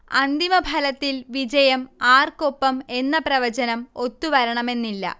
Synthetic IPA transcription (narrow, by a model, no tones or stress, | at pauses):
ɐnd̪imɐbʱɐlɐt̪ːilʋid͡ʑɐjɐmaːrkopːɐme̞nːɐprɐʋɐd͡ʑɐnɐmo̞t̪ːuʋɐɾɐɳɐme̞nːilːɐ̰